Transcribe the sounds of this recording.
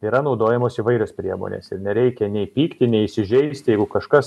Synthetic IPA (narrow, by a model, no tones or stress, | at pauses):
iːɾɐnɒʊd̪oːjɛmoːsiʋɐɪɾʲospʲɾʲiɛmo̰ːnʲḛːsɪɾnʲɛɾʲɛɪkʲɛnʲɛɪpʲiːkt̪ʲɪnʲɛɪsʲɪʒʲɛɪsʲt̪ʲjɛɪɡʊkɐʃkɐs